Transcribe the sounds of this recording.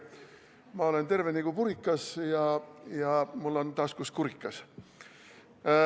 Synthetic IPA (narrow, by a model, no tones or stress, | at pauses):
mɑo̞le̞nt̪e̞rveniɡ̥upuɾikˑːɑsjɑjɑmulːo̞nt̪ɑːskuskuɾikːˑɑs